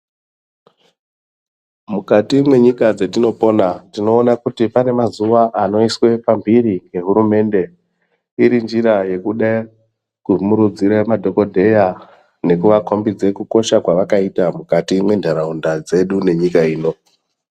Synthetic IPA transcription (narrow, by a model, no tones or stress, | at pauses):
mukatimwe̞ɲikad͡zetino̞po̞natino̞ːnakutipane̞mazuʋaʔano̞iswe̞pambiɾiŋe̞ɦuɾume̞nde̞ | iɾind͡ʒiɾaje̞kuɗa | kumuɾud͡ziɾemadʱo̞ko̞dʱe̞ja | ne̞kuʋakombid͡zekuko̞ʃakwaʋakaitamukatimwe̞ndʱaɾaundad͡ze̞ɗune̞ɲikaiːno̞